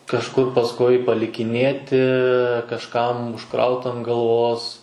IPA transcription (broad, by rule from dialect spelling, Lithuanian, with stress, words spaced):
kɐʃˈkʊr pɐsˈkʊɪ pɐlʲɪkʲɪˈnʲeːtʲɪ kɐʃˈkɐm ʊʃˈkrɐʊt ɐn ɡɐlˠˈʋoːs